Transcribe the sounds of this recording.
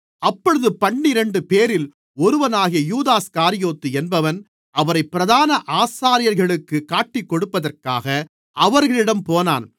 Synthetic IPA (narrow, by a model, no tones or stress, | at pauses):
ɐpːɔɻɯðɯpɐɳːɪɾɛɳɖɯpeːɾɪl | ɔɾɯʋɐnaːɣɪjɐjuːðaːskaːɾɪjoːt̪ːɯɛnbɐʋɐn | ɐʋɐɾɐɪpːɪɾɐðaːnɐʔaːsaːɾɪjɐɾɣɐɭɯkːɯkaːʈːɪkːɔɽɯpːɐðɐrkaːɣɐ | ʔɐʋɐɾɣɐɭɪɽɐmpoːna̰ːn